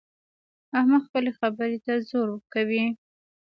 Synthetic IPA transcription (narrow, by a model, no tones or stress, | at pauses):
ahmaxpəlexabəɾet̪azoɾwəkawi